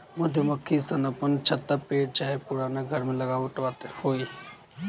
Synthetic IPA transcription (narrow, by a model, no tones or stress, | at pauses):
mʊd̪ʱjəmɐkʰːisɐnɐpənt͡ʃʰɐt̪ːapeːʈ̚t͡ʃaːɦepʊɾaːneɡʱəɾmẽlɐɡaːʋʊʈʋaːt̪hoːi